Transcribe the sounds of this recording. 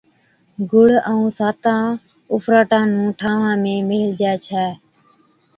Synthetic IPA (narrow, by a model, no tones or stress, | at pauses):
ɡʊɽəũːsaːt̪ãː | ʊfɾaːʈãːnũːʈʰãːʋãːmẽːmɪːld͡ʒɛːt͡ʃʰɛː